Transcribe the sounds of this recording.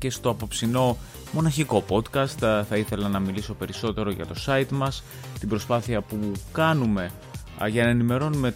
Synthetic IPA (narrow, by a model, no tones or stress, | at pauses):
ce̞st̪o̞ɐpo̞psino̞ | mo̞nɐçiko̞po̞t̪kɐst̪θɐiθe̞lɐnɐmiliso̞pe̞ɾiso̞t̪e̞ɾo̞ʝɐ̰t̪o̞sɐit̪mɐs | t̪ibɾo̞spɐθiɐpukɐnume̞ | ʝɐnɐenime̞ɾo̞nume̞